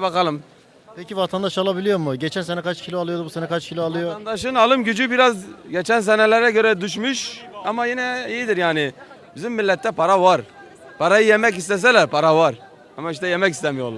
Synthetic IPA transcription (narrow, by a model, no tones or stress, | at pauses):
bakalˠɯm | pʰɛcivat̪ʰand̪aʃalˠabilʲijo̞muɟet͡ʃʰænsenɛkʰat͡ʃcʰilʲoalˠɯjo̞d̪ubusenɛkʰat͡ʃcʰilʲoalˠɯjoand̪aʃɯnalˠɯmɟyd͡ʒybiɾazɟet͡ʃʰæns̬ɛnɛlʲɛɾɛɟø̞ɾɛd̪yʃmyʃamajinɛijid̪iɾjaːnɪbizimːilʲːɛt̪ʰːɛpʰaɾavaɾ | pʰaɾajɯjemɛcist̪ɛs̬ɛlʲæɾpʰaɾavaɾ | amaiʃt̪ɛjemɛcist̪ɛmijo̰lˠa